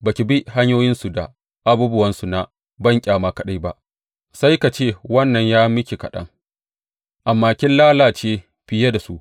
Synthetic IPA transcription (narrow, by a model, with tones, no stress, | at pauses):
ba˨kʲi˨bi˦ha˦ɲjoː˦jɪ˦nsu˨da̰˨ | ʔa˦buː˦bʊ˦wɐ˦nsu˨na˨ | bɐ˦ŋkʲʼaː˨maː˦kɐ˨ɗa˦jba˦ʔ | sa˦jka˨t͡ʃeː˦˨wɐ˦nːɐ˨ɲjaː˦mɪ˦kʲi˨kɐ˨ɗɐ̰˦ŋ | ʔa˨mːaː˨kʲɪ˦nlaː˦laː˨t͡ʃeː˦ | ɸɪ˨ja˦da˨su˦ʔ